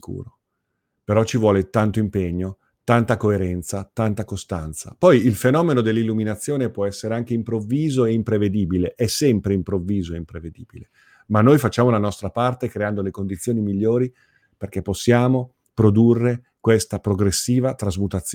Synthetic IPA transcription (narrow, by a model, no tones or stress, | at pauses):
kṵːɾo | peɾɔt͡ʃivwɔːlet̪ant̪oimpeɲːo | t̪ant̪akoeɾɛnt̪sat̪ant̪akost̪ant̪sa̰pɔjilfenɔːmenod̪elːilːuminat̪sːjoːnepwɔɛsːeɾeaŋk̟eimpɾovːiːzoeimpɾeved̪iːbileʔɛsːɛmpɾeimpɾovːiːzoeimpɾeved̪ḭːbile | manːojfat͡ʃːaːmolanɔst̪ɾapart̪ekɾeand̪olekond̪it̪sːjoːnimiʎːoːɾi | perk̟epːosːjaːmo | pɾod̪urːe | kwest̪apɾoɡɾesːiːvat̪ɾazmut̪at̪sːj